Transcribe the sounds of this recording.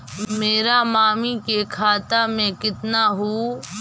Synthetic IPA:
meːɾamaːmikekʰaːt̪amẽkɪt̪naɦuː

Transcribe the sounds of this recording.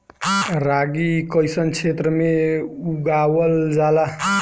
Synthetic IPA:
ɾaɡikəjsənt͡ʃʰet̪ɾəmeuɡawəld͡ʒala

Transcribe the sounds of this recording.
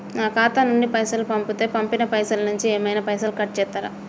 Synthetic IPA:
naːkaːt̪anuɳɖipɐjsɐlupɐmput̪e̞ːpɐmpinɐpɐjsɐlɐnuɲt͡ʃieːmɐjnɐpɐjsɐlukɐʈ̚t͡ʃɛːt̪ːaːɾɐ̰

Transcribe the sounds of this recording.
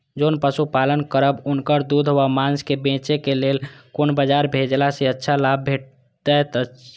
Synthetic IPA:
d͡ʒoːnpəsupaːlənkəɾəbʊnkəɾd̪ud̪ʱɦowamãnskebẽːt͡ʃekeleːlkonbəd͡ʒaɾbʱed͡ʒlaseətːʃʰalab̚bʱeʈ̚ | d̪at̪

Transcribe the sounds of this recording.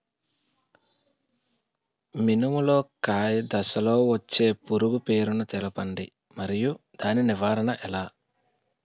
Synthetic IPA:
minumulo̞ːkaːjɐd̪ɐsɐloːʋɐt͡ʃːe̞ːpuɾuɡupe̞ːɾunut̪ɛlɐpɐɳɖi | mɐɾijud̪̥aːniniʋaːɾɐnɐʔɛlaː

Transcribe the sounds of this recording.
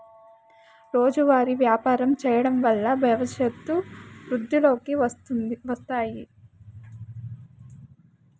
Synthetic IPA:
ɾo̞ːd͡ʒuʋaːɾiʋjaːpaːɾɐmt͡ʃɛːjɐɽɐmʋɐlːɐbʱjɐʋɐʃjɐt̪ːuʋɾud̪ʱːilo̞ːkiʋɐst̪aːji

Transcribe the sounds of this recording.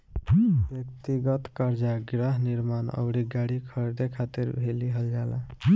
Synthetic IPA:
bjəkt̪iɡət̪kəɾd͡ʒaɡɾəɦniɾmanə̰bɽiɡaɽikʰəɾd̪ekʰat̪iɾbʱeliɦəld͡ʒala̰

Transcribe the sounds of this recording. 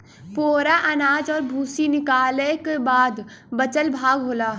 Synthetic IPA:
poːɾaʔɐnaːd͡ʒɔːɾbʱuːsinɪkaːlekebaːd̪bɐt͡ʃəlbʱaːɡɦoːlaː

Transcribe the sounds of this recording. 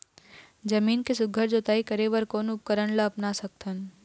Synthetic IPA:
d͡ʒəmiːnkesʊɡʱəɾd͡ʒot̪aːikəɾeʋəɾkoːnʊp̚kəɾənləːpnasək̚t̪ʰən

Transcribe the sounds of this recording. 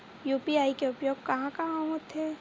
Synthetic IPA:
juːpiaːikeʊpjoːɡ̚kɐɦãkɐɦãɦot̪ɛː

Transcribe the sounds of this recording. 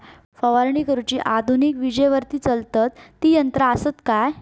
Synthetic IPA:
fəʋaɾɳikəɾut͡ɕiːʔad̪ʱunikʋid͡ʑəjʋəɾt̪iːt͡səlt̪at̪ːiːjənt̪ɾaːsət̪kaj

